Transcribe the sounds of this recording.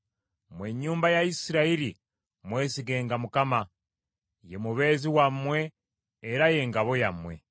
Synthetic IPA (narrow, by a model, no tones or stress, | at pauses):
mweɲːuːmbajaisiɾaiɾi | mwe̞ːsiɡe̞ːŋɡamukama | jemuβe̞ːziwamwe̞ː | ɾaje̞ŋɡaβo̞jamwe̞̰